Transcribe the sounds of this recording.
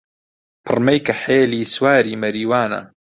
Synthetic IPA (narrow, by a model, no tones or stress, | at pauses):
pʰɨrmɐjkɐħeːliːswaːɾiːmɐɾiːwaːnɐ̰